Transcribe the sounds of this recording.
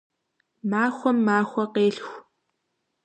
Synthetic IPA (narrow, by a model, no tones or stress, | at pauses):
maːxʷɔmːaːxʷɐqeːɬxʷ